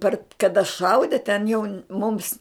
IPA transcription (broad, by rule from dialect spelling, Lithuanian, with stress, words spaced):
ˈpɐr kɐˈdɐ ˈʃɐʊdʲɪ tʲɛn jɛʊ mʊms